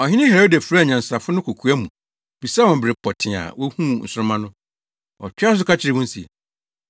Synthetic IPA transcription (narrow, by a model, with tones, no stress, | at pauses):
ɔ˨ɦɪ̃˦nɪ̃˦hɛ˨a˨˦o˦da˨fu˨ɾa˦˨ɲã˨n̩˨sa˨fʊ˦nʊ̃˦kʰo˨kʰu˨˦æ˦mũ˨ | bi˨sa˦wɔ̃˨bɪ˨ɾɪ˨pʰɔ˨tʰɪ̃˨a̰˨wɔ˦hũ˦n̩˨sʊ˦ɾʊ˦mã˦nʊ̃˦ | ɔ̰˨t͡ɕᶣa˦s̬ʊ˦kʰa˦t͡ɕʰɪ˨ɾɪ˨wʊ̃˦n̩˦sḭ˨